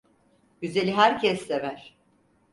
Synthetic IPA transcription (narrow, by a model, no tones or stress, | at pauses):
ɟyze̞lʲiɦæɾcʰɛsːevæɾ̥